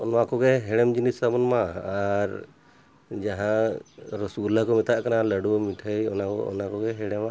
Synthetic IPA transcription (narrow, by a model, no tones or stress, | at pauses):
ɔnmakɔɡɛɦɛɽɛmd͡ʒinisabɔnmaːɾ | d͡ʒaɦãɾɔsɡulakɔmɛt̪aʔkanaləɖumiʈʰəjɔ̰nakɔɔ̰nakɔɡɛɦɛɽɛmaʔ